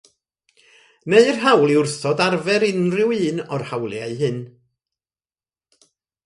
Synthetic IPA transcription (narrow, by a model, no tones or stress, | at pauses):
neɨrɦawlˠiʊrθɔdarvɛɾɪnrɪwɨːnɔrhawlˠjaɨɦɨn